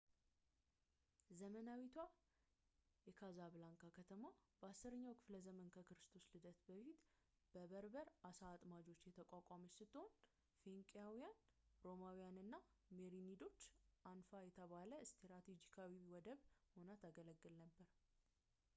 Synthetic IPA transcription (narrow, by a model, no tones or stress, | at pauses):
zəmənawit̪ʰwa | jɛkʰazaβlaŋkʰakʰət̪ʰəmabəasːɨɾəɲːawkʰɨ̥fləzəmənkʰəkɨɾɨst̪ʰo̞slɨd̪ət̪bəfit̪ | b̥əβəɾbəɾasaːt̪ʼmad͡ʒo̞t͡ʃːjɛt̪ʰəkʼakʷʼaməsɨt̪ʼːɨhon | feŋkʼjawijanɾo̞mawijanɨnːameɾinid̪o̞t͡ʃːʔanfajɛt̪ʰəβaləst̪ʰeɾat̪ʰed͡ʒikʰawiwɔd̪əβho̞nat̪ʰaɡələɡːɨlnəbːəɾ